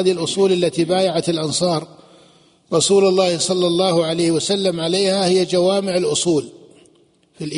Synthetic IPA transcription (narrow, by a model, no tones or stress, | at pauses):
aːðɪhɪlʔʊsˤuːlalːat̪ibaːjaʕat̪ɪlʔɑnsˤɑːɾˤ | ɾˤɑsuːlʊlˤːɑːhsˤɑlːɑlˤːɑːhʊʕalajhwasalːamʕalejhahɪjːad͡ʒawaːmɪʕɪlʔʊsˤuːl | filʔ